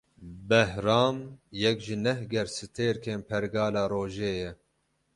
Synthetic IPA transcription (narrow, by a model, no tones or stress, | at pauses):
bɛhɾɑːmjɛkʒɪnɛhɡɛɾsɨt̪ʰeːɾkʰeːnpʰɛɾɡɑːlaːɾoːʒeːjɛ